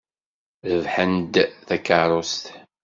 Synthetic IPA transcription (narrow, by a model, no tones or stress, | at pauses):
ðəvħənd̪θækəɾˤost̪